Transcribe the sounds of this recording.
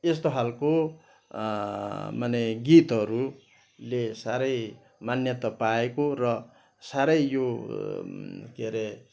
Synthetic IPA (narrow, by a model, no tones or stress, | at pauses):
est̪oɦalko | mʌneɡit̪ʌɾu | lesaɾʌj | manjʌt̪ʌpaekorʌ | saɾʌjjo | keɾe